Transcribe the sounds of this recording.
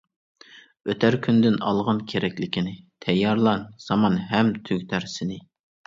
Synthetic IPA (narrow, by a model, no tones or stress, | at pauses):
øt̪ʰæɾkʲʰynd̪ɪnɑ̰lˠʁɑnkʲʰeɾɛkʲlɪkʲʰinɪt̪ʰɛjːɑɾlˠɑnsɑmɑnɦɛmt̪ʰyɡʲt̪ʰæɾsɪnɪ